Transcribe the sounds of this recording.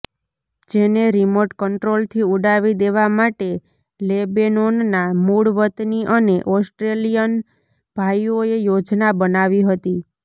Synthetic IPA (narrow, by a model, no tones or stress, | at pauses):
d͡ʒeneɾimoʈkəɳʈɾolt̪ʰiuɖaʋid̪eʋamaʈe | lebenonnamuɽʋət̪niʔəneʔɔsʈɾelijən | b̥ʱajoejod͡ʒnabənaʋiɦət̪i